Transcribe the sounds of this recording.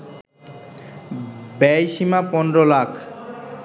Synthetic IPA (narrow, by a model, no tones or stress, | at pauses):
bɛjʃimapɔnd̪ɾolakʰ